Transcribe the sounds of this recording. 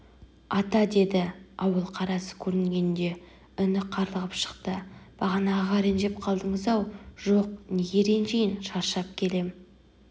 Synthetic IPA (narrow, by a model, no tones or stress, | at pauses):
ɑt̪ɑd̪e̞d̪ɪɑwəlˠqʰɑɾɑsə̥kʲʰɵɾɪŋɡʲe̞nd̪e̞ | ʏnɪqʰɑɾlˠəʁəpʃə̥qt̪əb̥ɑʁɑnɑʁɑɾenʒe̞p̚qʰɑlˠd̪əɴəzɑwʒoq̚neɡʲe̞ɾenʒejɪnʃɑɾʃɑp̚kʲʰe̞le̞m